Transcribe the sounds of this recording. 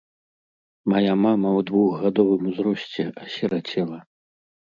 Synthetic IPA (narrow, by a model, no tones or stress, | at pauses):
majamamɐwd̪vuɣːad̪ɔvɨmuzɾɔsʲt͡sʲɛʔɐsʲɛɾat͡sʲɛlˠɐ